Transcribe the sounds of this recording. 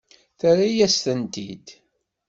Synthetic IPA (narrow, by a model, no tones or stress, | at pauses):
θaɾajæst̪ənt̪id̪